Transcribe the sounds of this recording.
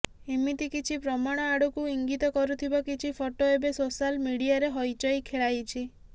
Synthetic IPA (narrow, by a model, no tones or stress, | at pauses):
imit̪ikit͡ʃʰipɾɔmaɽ̃ɔaɽukuiŋɡit̪ɔkɔɾut̪ʰibɔkit͡ʃʰipʰoʈoebesosalmiɽiaɾeɦɔjt͡ʃɔjkʰeɭajt͡ʃʰi